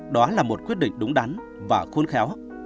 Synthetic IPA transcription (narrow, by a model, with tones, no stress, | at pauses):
ɗɔ˨˦laː˨˩mo˨˩t̚kwi˦˥ət̚ɗḭ˧˨ŋ̟ɗʊ˨˦ŋ͡mɗa˨˦n | vaː˨˩xo˧nxɛ˨˦w